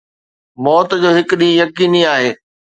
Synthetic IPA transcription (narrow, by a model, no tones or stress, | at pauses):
mɔːt̪d͡ʑoːɦɪkʊɗijɐkiːniaːɦeː